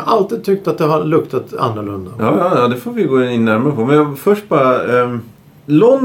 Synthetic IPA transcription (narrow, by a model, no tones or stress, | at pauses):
ʔalt̪iːd̪̚t̪ʰʏk̚t̪at̪̚d̪ɛɦaɾlɵkt̪at̪a̰nːəɾɭɵnd̪ajɑːjɑːjɑːd̪ɛfoːɾvɪɡoːɪnːæɾmaɾəpʰɔmɛnjɑfœʂʈ̚bɑːɾa | lɔn